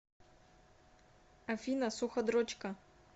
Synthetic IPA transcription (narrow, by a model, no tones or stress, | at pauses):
ɐfʲinɐsuxɐd̪ɾot͡ɕkɐ